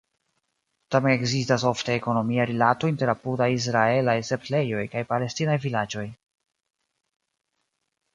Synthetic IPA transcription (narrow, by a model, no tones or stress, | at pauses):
tameneɡzistas̬o̞fteeko̞no̞miaɾilatointe̞ɾapudajis̬ɾae̞lajse̞ple̞jo̞jkajpale̞stinajvilad͡ʒo̞j